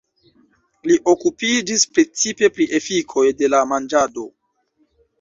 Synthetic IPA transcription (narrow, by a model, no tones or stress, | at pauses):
liʔo̞kupid͡ʒispɾe̞t͡sipe̞pɾiʔe̞fikʰo̞jde̞lamand͡ʒado̞